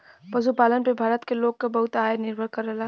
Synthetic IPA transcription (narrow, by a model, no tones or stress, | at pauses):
pɐzupaːlənpebʱaːɾət̪keloːɡ̚kabɐɦʊt̪aːenɪɾbʱəɾkɐɾːɐla